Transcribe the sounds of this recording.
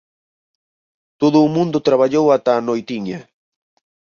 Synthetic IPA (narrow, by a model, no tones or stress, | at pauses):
t̪ʊd̪ʊmʊnd̪ʊt̪ɾaβaʎowat̪aːnojt̪ɪŋɲa